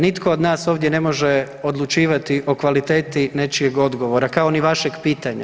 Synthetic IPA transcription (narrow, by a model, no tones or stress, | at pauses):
nit̪kʰo̞od̪naːso̞ːʋd̪jene̞mo̞ʒe | o̞d̪lˠut͡ʃiːʋat̪iʔo̞kʋalit̪e̞ːt̪ine̞t͡ʃije̞ɡo̞d̪ɡo̞ʋo̞ɾakao̞niʋaʃe̞ɡpiːt̪aɲa̰